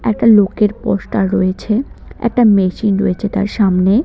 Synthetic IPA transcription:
ɛk̚ʈalokeɾpɔ̰ʃʈaɾɔjet͡ɕʰeɛ̰k̚ʈameʃinɾojet͡ɕʰet̪a̰ɾʃamne

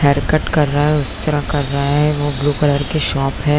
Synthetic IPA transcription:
hʰɛːɾkəʈkɐɾːɐaɦɛʊst̪ɐɾãkɐɾːɐɦaɦɛ̃ʋobluːkɐləɾkeʃɔːpɦɛː

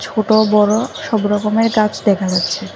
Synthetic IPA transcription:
t͡ɕʰoʈobɔɾoʃɔbɾɔkomeɾkat͡ɕʰd̪ɛkʰad͡ʑat̪ːɕʰe

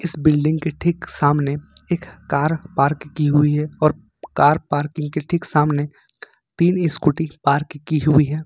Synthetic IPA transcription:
ɪsbɪlɖɪ̃ŋɡkeʈʰɪksaːmneeːkːaːɾpaːɾkkːiɦʊiɦɛɔːɾ | kaːɾpaːɾkɪ̃ŋɡ̚keʈʰɪksaːmne | t̪iːnɪskʊʈipaːɾkkːiɦʊiɦɛː

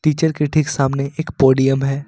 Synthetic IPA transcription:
ʈiːt͡ʃəɾkeʈʰɪksaːmneʔeːkpɔːɖijəmɦɛː

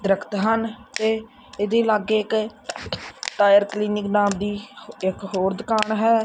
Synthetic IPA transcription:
d̪ɪɾəkʰt̪ɦənt̪eː | ɪd̪eːlaːɡeːɪk | ʈaːjəɾkliːnɪknaːmd̪iːɪkɦoːɾd̪ɪkaːɳɦɛː

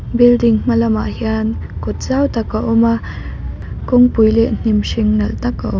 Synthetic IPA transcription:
bɪldɪŋm̥ɐlɐmaʔhiankʊt̪̚zawt̪ɐkaʔɔma | kʊŋpujlɛʔn̥imʂɪŋnɐlt̪ɐkːaʔɔm

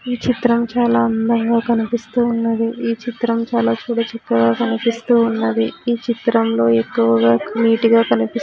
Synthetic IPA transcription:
iːt͡ʃit̪ɾɐmt͡ʃaːlaːɐnd̪ɐŋɡaːkɐnipist̪uːunːɐd̪iiːt͡ʃit̪ɾɐmt͡ʃaːlaːt͡ʃuːɽɐt͡ʃɐkːɐɡaːkɐnipist̪uːunːɐd̪iiːt͡ʃit̪ɾɐmlo̞ːe̞kːuʋɐɡaːmiːʈiɡaːkɐnipis

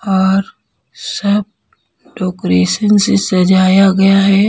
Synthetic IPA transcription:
ɔːɾ | sɐb̚ | ɖoːkɾeːʃənsesɐd͡ʒaːjaɡɐjaɦɛ

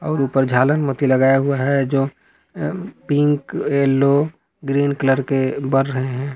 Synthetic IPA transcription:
ɔːɾuːpəɾd͡ʒʱaːlənmət̪iləɡaːeɦuaɦɛd͡ʒoː | pĩŋkelːo | ɡɾiːnkləɾkebəɾɾəɦeɦɛ̃ː

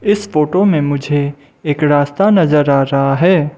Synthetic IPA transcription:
ɪsfoːʈomẽmʊd͡ʒʱe | eːkɾaːst̪anɐzəɾaːɾɐɦaɦɛː

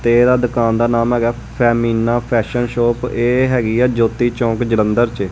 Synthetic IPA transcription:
t̪eːd̪aːd̪ʊkaːnd̪aːnaːmɦɛːɡaː | pʰɛːmiːnãːpʰɛːʃənʃoːpeːɦɛːɡiːɛːd͡ʒoːt̪iːt͡ʃɔ̃ːkd͡ʒələ̃nd̪əɾt͡ʃe

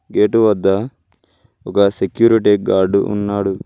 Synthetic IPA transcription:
ɡeːʈuʋɐd̪ːɐ | ɔkɐsekjuːɾiʈiɡaːɾɖuṵnːaːɽu

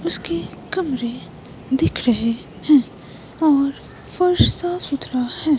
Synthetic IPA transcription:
ʊskekɐmɾe | d̪ɪkʰɾɐɦe | hɛ̃ː | ɔːɾ | fɐɾʃsasʊt̪ɾahɛ̃ː

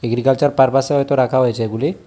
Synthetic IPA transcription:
eɡɾikalt͡ʃaɾpaɾpaseɦɔjt̪oɾakʰaɦojet͡ʃʰeeɡuli

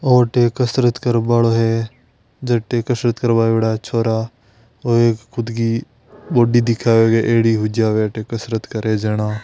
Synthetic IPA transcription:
oːʈeːkəsɾət̪kəɾbaːɭoɦe | d͡ʒɐʈeːkəsɾət̪kəɾbaːeɽat͡ʃʰoːɾa | oeːkkʊd̪ɡi | boːɖid̪ɪkʰaːʋeːɡeʔeːɽiɦʊd͡ʒaːʋeʈekəsɾət̪kɐɾed͡ʒenaː

